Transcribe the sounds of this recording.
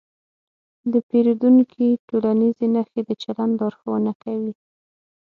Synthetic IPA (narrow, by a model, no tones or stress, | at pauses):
d̪əpeɾud̪uŋkʰiʈolanizenaxed̪ət͡ʃaland̪ɑɾxawənakawi